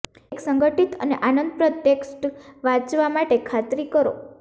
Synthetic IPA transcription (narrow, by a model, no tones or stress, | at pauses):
eksəŋɡəʈit̪ə̰neʔanənd̪̚pɾət̪jeksʈʋãd͡ʒʋamaʈekʰat̪ɾikəɾo̰